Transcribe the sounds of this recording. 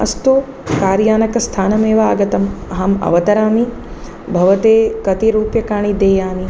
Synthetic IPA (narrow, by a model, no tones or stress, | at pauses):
ɐ̰st̪u | kaːɾjaːnɐkɐst̪ʰaːnɐmeːʋɐaːɡɐt̪ɐmɐɦɐmɐ̰ʋɐt̪ɐɾaːmi | bʱɐʋɐt̪eːkɐt̪iɾuːpjɐkaːɳid̪eːjaːmi